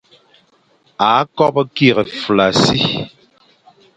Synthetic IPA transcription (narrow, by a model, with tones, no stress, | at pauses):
a˨˦kɔ˦pki˦˨ɣə˨fla˨si˦